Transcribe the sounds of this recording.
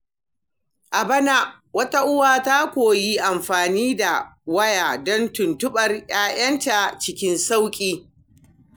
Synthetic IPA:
ʔa˨bɐ˦na˦ʔ | wɐ˦ta˦ʔʊ˦waː˨ta˦kʷoː˨ji˦ʔa˨mɸaː˨niː˦da˨wɐ˦jaː˨dɔ˦ntʊ˨ntʊ˦ɓɐ˨rj̰aː˦jʔɐ˦nta˨t͡ʃɪ˦kʲɪ˦nsa˦wkʲʼiː˦

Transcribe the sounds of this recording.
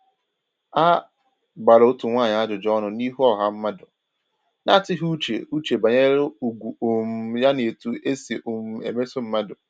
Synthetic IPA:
a˦ | ɡ͡ba˨ɾʊ˨o˦tu˨ŋʷaː˦˨ɲa˨˦a˦dʊ˨d͡ʒɔ˦nʊ˨ni˦ɦu˦ɔ˦˨ɦa˦m̩˦ma˦dʊ˨ | na˦˨tɪ˦ɦu˦t͡ʃḛ˨u˦t͡ʃe˨ba˨ɲe˦ɾo˦u˨ɡʷu˨o˨m̩˦ja˦ne˨tu˨ʔe˦se˨ʔo˨m̩˦ḛ˨me˦so˦m̩˦ma˦dʊ˨

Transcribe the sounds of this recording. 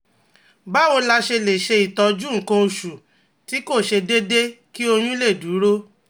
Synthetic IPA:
ba˨˦o˧la˧ʃe˧le˨ʃe˧i˨tɔ˧d͡ʒu˦˨ŋ̩˨kã˧o˧ʃu˨ | ti˨˦ko˦˨ʃe˧de˦de˦ki˦o˧j̃ũ˦le˦˨du˨˦ɾo˦

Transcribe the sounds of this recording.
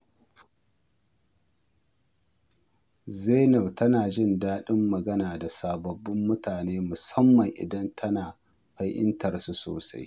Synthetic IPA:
zeː˦nɐ˨btʰɐ˦naː˨d͡ʒɪ˦˨ndaː˦ɗɪ˦mːɐ˨ɡɐ˦naː˨da˨saː˨bɐ˨bːɪ˦mːʊ˦tʰaː˨neː˦mʊ˨sɐ˦mːɐ˨ŋʔɪ̰˨dɐ˦ntʰɐ˦naː˨ | ɸɐ˦jʔɪ̰˦ntɐ˨rsu˦so̰ː˨sa̰˦j

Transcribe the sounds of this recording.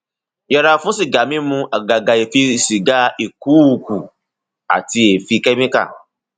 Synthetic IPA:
jɛ˨ɾa˨fũ˦si˨ɡa˨mĩ˦mũ˧a˨ɡa˨ɡa˨e˨fi˧si˨ɡa˦e˨ku˨˦˨ku˨ | a̰˨ti˧e˨fi˧kɛ˦mĩ˦ka̰˦˨

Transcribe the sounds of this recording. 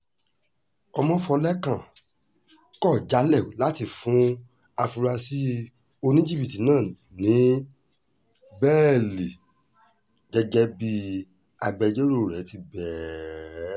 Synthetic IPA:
ɔ˧mɔ̃˦fɔ˧lɛ˦kã˨ | kɔ˦˨d͡ʒa˨˦lɛ˦˨la˨˦ti˧˨fũ˨˦ | a˧fu˧ɾa˧si˦ | o˧nĩ˦d͡ʒi˦˨bi˨ti˨˦nãː˦˨ | nĩ˨˦ | bɛː˦˨li˨ | ɡɛ˦ɡɛ˦bi˧ | a˧ɡ͡bɛ˧d͡ʒe˦ɾo˦˨ɾɛ˨˦ti˧˦bɛː˨

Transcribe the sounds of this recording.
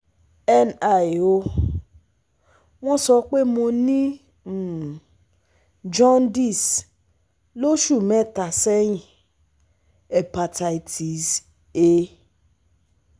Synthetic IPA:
ɛ˦na˨jo˧ | w̃ɔ̃˦sɔ˧k͡pe˦mo˧nĩ˦˨ | d͡ʒɔ̃˦ndi˦˨s | lo˦ʃu˦˨mɛ̃˦˨ta˨sɛ˦j̃ĩ˨ | ɛ˨pa˧ta˧i˨tʰi˨s | e˧˦

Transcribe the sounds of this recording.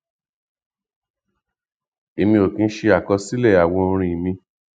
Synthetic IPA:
e˨˧mĩ˧o˨kĩ˧n̩˦ʃe˧a˨kɔ˧si˦lɛ˦˨a˨wɔ̃˧o˧ɾ̃ĩ˧˨mĩ˧

